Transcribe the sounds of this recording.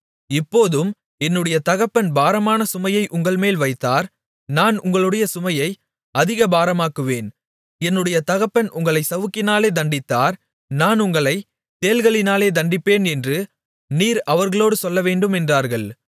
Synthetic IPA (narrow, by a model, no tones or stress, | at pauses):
ɪpːoːðɯm | ɛnːɯɽɐjɐt̪ɐɣɐpːɐnbaːɾɐmaːnɐsʊmɐjɐɪʔʊŋɡɐɭmeːlʋɐɪt̪ːaːɾ | naːnʊŋɡɐɭɯɽɐjɐsʊmɐjɐɪ | ɐðɪɣɐbaːɾɐmaːkːɯʋeːn | ɛnːɯɽɐjɐt̪ɐɣɐpːɐnʔʊŋɡɐɭɐɪsɐʋɯkːɪnaːleːd̪ɐɳɖɪt̪ːaːɾ | naːnʊŋɡɐɭɐɪ | t̪eːlɣɐɭɪnaːleːd̪ɐɳɖɪpːeːnɛndrɯ | niːɾɐʋɐɾɣɐɭoːɽɯsɔlːɐʋeːɳɖɯmɛndraːɾɣɐɭ